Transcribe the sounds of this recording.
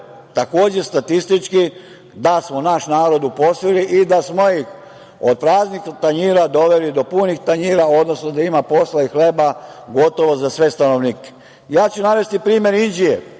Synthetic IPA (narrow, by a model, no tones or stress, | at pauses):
t̪ako̞ːd͡ʑest̪at̪ist̪it͡ʃki | d̪asmonaʃnaːɾo̞d̪upo̞sʋiliʔid̪asmo̞jix | od̪̚pɾaːznixt̪aɲiːɾad̪o̞ʋe̞lid̪o̞punixt̪aɲiːɾao̞d̪nosnod̪aimapo̞slaixle̞ba | ɡo̞t̪o̞ʋo̞zasʋe̞st̪ano̞ʋniːke̥ | jaːt͡ɕunaʋe̞st̪ipɾiːmje̞ɾind͡ʒiḛ